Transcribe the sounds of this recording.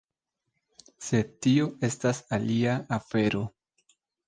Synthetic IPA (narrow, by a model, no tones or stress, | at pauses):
se̞tio̞e̞stasaliaafe̞ɾo̞